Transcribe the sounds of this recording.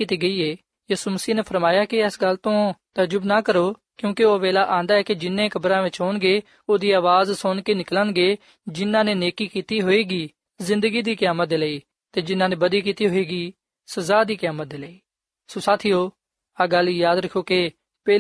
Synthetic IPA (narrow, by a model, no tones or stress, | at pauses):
ɪt̪iɡɐieː | jiːsuməsiːɦnepʰɐɾmaːjaːkeɛsɡɐlt̪õt̪ɐd͡ʒʊbnakɐɾoːkjũːkeoːʋeːlaʔãːnd̪aɦɛːked͡ʒɪnːẽkɐbɾãːʋɪt͡ʃɦoːnɡe | oːd̪iːaːʋaːzsoːnkenɪklənɡe | d͡ʒɪnːãːneneːkikiːt̪iɦoːeːɡiː | zɪ̃nd̪əɡid̪iːkjaːmət̪̚d̪eːləːiː | t̪ed͡ʒɪnːãːnẽbɐd̪ikiːt̪iɦoːeːɡiː | sɐzaːd̪iːkjaːmət̪̚d̪eːleiː | sõsaːt̪ʰiːoː | aɡɐljaːd̪ɾɐkʰːoːke | pɛː